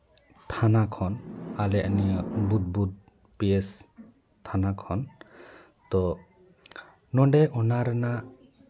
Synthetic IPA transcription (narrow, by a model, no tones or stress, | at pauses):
t̪ʰanakʰɔnalɛʔanijɔbud̪̚bud̪̚ | pees | t̪ʰanakʰɔn | t̪ɔ | nɔɳɖɛʔɔnaɾɛna